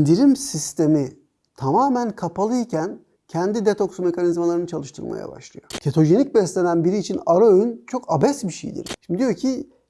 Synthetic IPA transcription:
ind̪iɾimsist̪ʰe̞mi | t̪ʰamaːmænkʰapʰalˠɯjicʰæn | cʰɛnd̪id̪et̪ʰo̞ksme̞kanizmalˠaɾɯnɯt͡ʃʰalˠɯʃt̪ʰɯ̰lˠma̰ja̰ba̰ʃlˠɯ̰jo̞̰cʰet̪ʰo̞ʒe̞nic̚bɛslʲenænbiɾiːt͡ʃʰinaɾoøynt͡ʃʰo̞kabɛsbiʃḛjd̪ḭɾʃimd̪ijo̞cʰi

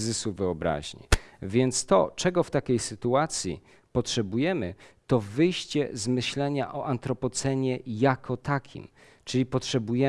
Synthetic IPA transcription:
zɘsuvɘɔbɾa̰ʑɲḭvʲjɛnt̪st̪ɔ̰t͡ʂɛɡɔft̪akʲejsɘt̪uat̪sʲjḭ | pɔtʂɛbujɛmɘt̪ɔvɘjɕt͡ɕɛ̰zmɘɕlɛɲa̰ʔɔʔant̪ɾɔpɔt̪sɛɲɛjakʰɔt̪akʲʰḭm | t͡ʂɘlʲipɔtʂɛbujɛ

